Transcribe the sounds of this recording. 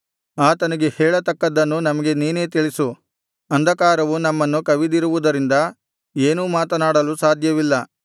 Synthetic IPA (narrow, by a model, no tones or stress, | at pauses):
aːt̪ɐnɐɡe̞hɛːɭɐt̪ɐkːɐd̪ːɐnːunɐmɐɡe̞niːne̞ːt̪iɭisu | ɐnd̪ʱɐkaːɾɐʋunɐmːɐnːukɐʋid̪iɾuʋud̪ɐɾind̪ɐ | eːnuːmaːt̪ɐnaːɽɐlusaːd̪ʱjɐʋilːɐ